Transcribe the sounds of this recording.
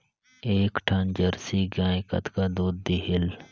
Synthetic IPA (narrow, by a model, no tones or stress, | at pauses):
eːkʈʰand͡ʒɐɾsiɡãːɪkɐ̰t̪kad̪uːd̪̚d̪iɦɪl